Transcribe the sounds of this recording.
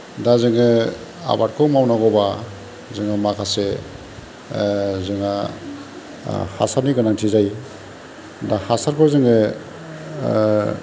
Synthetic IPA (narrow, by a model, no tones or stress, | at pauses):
dazɯŋɯ | a̰bat̚kʰɔmawnaɡɔba | zɯŋamakʰase | zɯŋa | ha̰saɾniɡɯnaŋtʰizaj | dahasaɾkʰɔzɯŋɯ